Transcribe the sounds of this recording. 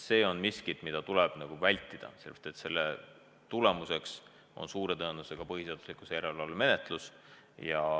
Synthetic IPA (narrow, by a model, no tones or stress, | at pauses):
se̞ːo̞nmiskit̪mid̪̥ɑt̪ulɛb̥nɑɡ̥uvælʲt̪ːˑid̪̥ɑ̰selə̥t̪ˑːet̪se̞lːe | t̪ule̞muse̞ks | o̞̰nsuːɾe̞t̪ɤenuseɡ̥ɑpɤɦise̞ɑd̪̥u̥slikˑusejeɾeɑlːme̞net̪ˑlus | jɑ